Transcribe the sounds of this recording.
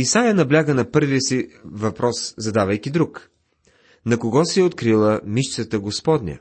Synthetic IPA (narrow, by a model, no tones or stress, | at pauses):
isajənɐblʲaɡənɐpɤɾviəsivɐpɾɔszɐd̪avəjk̟id̪ɾuk | nɐkoɡɔsiɛot̪̚kɾilˠəmiʃt̪sət̪əɡospɔd̪nʲə̰